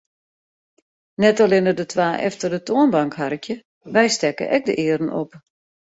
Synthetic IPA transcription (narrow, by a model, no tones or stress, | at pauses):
nɛtalɪnərdətʰwaːʔɛ̰ftərdətoənbaŋkharkjə | ʋɛjstɛkə̰ʔɛk̚də̰ʔɪəɾn̩ʔo̰p